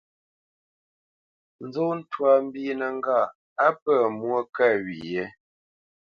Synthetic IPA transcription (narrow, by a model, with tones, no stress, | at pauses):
n̩˦zo˦n̩˦twa˨m̩˦bi˦nə˨ŋ̩˦ɡa˦˨ | a˦pə˦˨mwo˦kɛ˦˨ɥḭ˨je˦